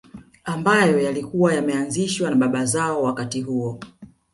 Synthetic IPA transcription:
ambajɔjalikuwajamɛanziʃwanaɓaɓazaɔwakatiɦuɔ

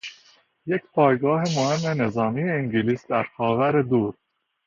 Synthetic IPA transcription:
je̞cpʰɒːjɡɒːɦemohe̞mːene̞zɒːmiːjeiŋɟiliːsd̪æɾxɒːvæɾe̞d̪uːɾ

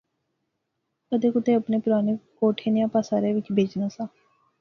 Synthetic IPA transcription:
kəd̪eːkʊt̪eːəpneːpʊɾaːneːkoːʈʰeːnijãːpaːsaːɾeːʋɪt͡ʃbʱeːd͡ʒnaːsãː

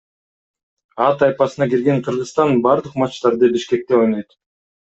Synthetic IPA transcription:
ɑt̪ɑjpɑsɯnɑkiɾɡe̞ɴqʰɯɾʁɯst̪ɑnbɑɾd̪ɯqmɑt͡ʃt̪ɑɾd̪ɯbiʃke̞k̚t̪e̞o̞jnˠojt̪

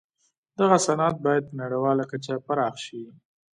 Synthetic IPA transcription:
d̪aɣasanɑt̪̚bɑjad̪̚pənaɽawɑlakat͡ʃapaɾɑxʃi

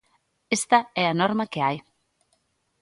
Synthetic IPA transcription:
est̪ɐɛanoɾmakeaj

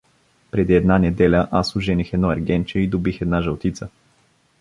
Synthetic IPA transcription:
pɾɛd̪iɛd̪nanɛd̪ɛlʲəʔasʊʒɛnixɛd̪nɔɐɾɡʲɛnt͡ʃɛid̪obixɛd̪naʒɐlˠt̪it̪sə

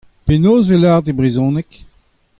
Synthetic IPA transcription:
penoːzvelaʁd̪ebʁizɔ̃nɛk

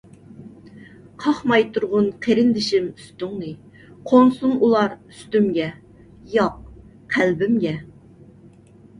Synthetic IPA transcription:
qʰɑχmɑjt̪ʰuɾʁʊnqʰeɾɪnd̪ɪʃɪmyst̪yŋnɨ | qʰonsunulˠɑɾyst̪ymɡʲɛ | jɑq̚ | qʰælbɪmɡʲɛ

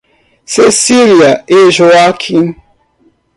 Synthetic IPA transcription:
sesiliaeʒoakʰin

